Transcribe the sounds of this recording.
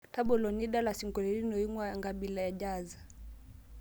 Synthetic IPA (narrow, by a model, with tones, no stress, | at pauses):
ta˦ɓɔ˨lɔ˨ni˦ɗa˦la˨si˨ŋɡɔ˨lɛ˨ɾi˦nɔ˨i˦ŋwaŋɡa˨ɓi˨la˨ja˨ʄaza˨